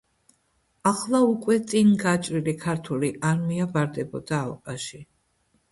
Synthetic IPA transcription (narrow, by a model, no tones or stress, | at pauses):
aχlˠaukʼwɛt̪sʼinɡat͡ʃʼɾilikʰaɾt̪ʰuliʔaɾmiabaɾd̪ɛbɔd̪aːlˠqʼaʃi